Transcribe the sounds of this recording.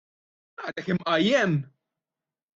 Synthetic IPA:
ɐd̪ɛkɪmʔɐjːɛm

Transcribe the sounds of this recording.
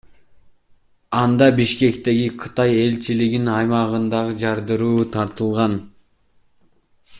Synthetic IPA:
ɑnd̪ɑbiʃke̞kt̪e̞ɡiqʰɯt̪ɑje̞lt͡ʃiliɡinɑjmɑʁɯnd̪ɑʁɯd͡ʒɑɾd̪ɯɾuːt̪ʰɑɾt̪ɯlˠʁɑn

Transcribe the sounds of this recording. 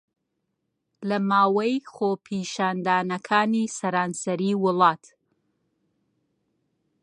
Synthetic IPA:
lɐmaːwɐjχopʰiʃaːnd̪aːnɐkʰaːnisɐɾaːnsɐɾiwʊlˠɑːt̪

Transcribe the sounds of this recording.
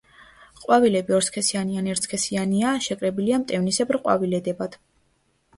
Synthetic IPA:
qʼwavilɛbiɔɾskʰɛsianianɛɾt̪skʰɛsianiaʃɛkʼɾɛbiliamt̪ʼɛvnisɛbɾqʼwa̰vilɛd̪ɛbad̪̥

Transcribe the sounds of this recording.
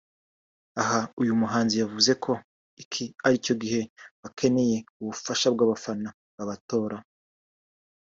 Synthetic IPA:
aɦaujumuɦaːnzijavuze̞kʰo̞ | ikʰiaɾico̞ɡihe̞βakʰe̞ne̞je̞uβufaʃab̚ɡaβafana | βaβato̞ːɾa

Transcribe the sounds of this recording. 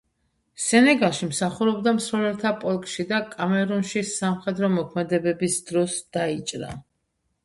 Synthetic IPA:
sɛnɛɡalˠʃimsaχuɾɔbd̪amsɾɔlɛlt̪ʰapʼɔlˠkʼʃid̪akʼamɛɾunʃisamχɛd̪ɾɔmɔkʰmɛd̪ɛbɛbisd̪̥ɾɔsd̪̥ait͡ʃʼɾa̰

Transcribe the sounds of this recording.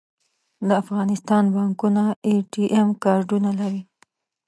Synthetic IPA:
d̪əafɣɑnɪst̪ɑnbɑŋkunaeʈiʔemkɑɾɖunalaɾi

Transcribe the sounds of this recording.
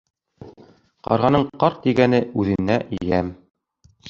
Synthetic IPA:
qɑ̰ɾʁɑnɤɴqɑɾt̪iɡænɘʉðɘ̆nːæʔĭjæm

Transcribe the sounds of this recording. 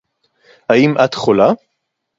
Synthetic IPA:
haimʔat̪χola

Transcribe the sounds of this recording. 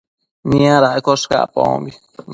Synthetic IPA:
mĩãɾaʔkoʂka̰põ̰õ̰mbi

